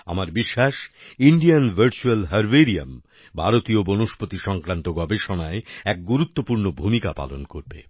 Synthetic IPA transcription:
a̰maɾbiʃːaʃiɳɖianbʱəɾt͡ɕualɦɐɾbeɾia̰m | bʱaɾot̪iobonoʃpot̪iʃɔŋkɾant̪oɡɔbeʃonaeɛk̚ɡuɾut̪ːopuɾnobʱumika̰pa̰lonkoɾbḛ

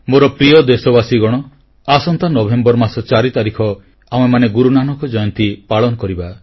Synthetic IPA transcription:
moɾɔpɾijɔd̪esɔbasiɡɔɽ̃ɔ | asɔnt̪anɔbʱembɔɾmasɔt͡ʃaɾit̪aɾikʰɔ | am̃emaneɡuɾunanɔkɔd͡ʒɔjɔnt̪ipaɭɔnɔkɔɾiba

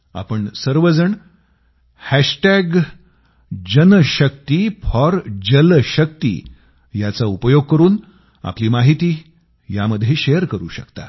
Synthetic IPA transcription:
a̰pəɳsəɾʋəd͡zəɳ | hæɕʈæɡ | d͡ʑənəɕək̚t̪iːpʰɔɾd͡ʑəlɕəkt̪ḭː | jat͡saupəjoɡ̚kəɾuːn | a̰pliːmaɦit̪iː | jaməd̪ʱːjeɕejəɾkəɾṵːɕəkt̪a̰

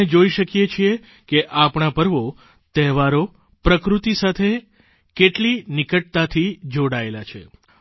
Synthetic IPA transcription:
ed͡ʒoiʃəkjet͡ʃʰie | keʔapɳapəɾʋo | t̪ɛɦʋaɾo | pɾəkɾut̪isat̪ʰe | keʈlinikəʈ̚t̪at̪ʰid͡ʒoɽaelat͡ʃʰḛ

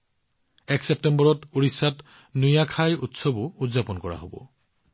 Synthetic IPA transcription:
ɛksep̚tembɔɹɔtuɹisat | nujakʰajutsobʊudzapɔnkɔɹa̰ɦo̰bɔ̰

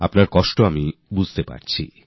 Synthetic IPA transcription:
a̰pnaɾkɔʃʈoamibud͡ʑʱt̪epa̰ɾt͡ɕʰḭ

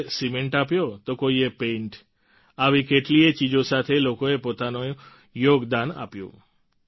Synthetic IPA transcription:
simeɳʈapjot̪okoiepẽɳʈ | aʋikeʈliet͡ʃid͡ʒosat̪ʰelokoepot̪ano | joɡd̪ana̰pjṵ̃

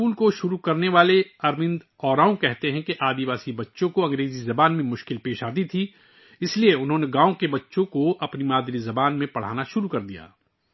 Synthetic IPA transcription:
uːlkoʃʊɾukɐɾneʋaːleɐɾmɪ̃nd̪ | ɔːɾaːõkɛɦt̪eɦɛ̃keʔaːd̪iʋaːsibɐtːʃõkoɐ̃ŋɡɾeːzizɐbaːnmẽmʊʃkɪlpeːʃaːd̪it̪ʰi | ɪslieʊnɦõːneɡãːõkebɐtːʃõkoʔɐpnimaːd̪ɾizɐbaːnmẽpɐɽ̤a̰ːnaʃʊɾukɐɾd̪ija̰ː

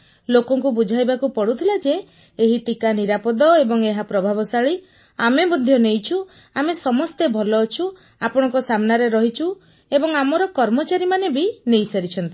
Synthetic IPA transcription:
lokɔŋkubud͡ʒʱajbakupɔɽut̪ʰilad͡ʒeː | ɦiʈikaniɾapɔd̪ɔebɔŋeɦapɾɔbʱabɔsaɭi | amebud̪ʱːjɔnejt͡ʃʰu | amesɔmɔst̪ebʱɔlɔːt͡ʃʰu | apɔɽ̃ɔŋkɔsamnaɾeɾɔɦit͡ʃʰu | ebɔŋamɔɾɔkɔɾmɔt͡ʃaɾimanebinejsaɾit͡ʃʰɔnt̪i̥

